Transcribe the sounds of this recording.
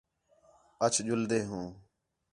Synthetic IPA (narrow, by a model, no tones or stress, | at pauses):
ət͡ʃʰd͡ʒʊld̪eːɦũː